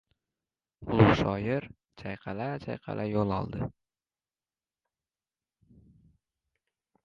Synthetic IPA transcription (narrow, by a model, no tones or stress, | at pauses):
ʊlˠʊʃɒjɪɾ | t͡ʃʰajqʰɑlat͡ʃʰajqʰɑ̰lʔajolˠɒ̰lˠd̪ɪ